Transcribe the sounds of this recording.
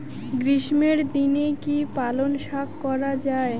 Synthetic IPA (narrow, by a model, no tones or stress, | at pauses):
ɡɾiʃmeɾd̪inekipalonʃakːɔɾad͡ʑae